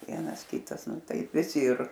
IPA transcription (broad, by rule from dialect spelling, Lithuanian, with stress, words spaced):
ˈʋʲiɛnɐs ˈkʲɪtɐs ˈnʊ ˈtɐɪp ʋʲɪˈsʲɪ ɪr